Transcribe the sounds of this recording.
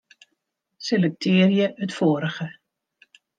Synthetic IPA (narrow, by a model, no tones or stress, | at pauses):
selɛk̚tʰɪːrjəətfoːɾəχə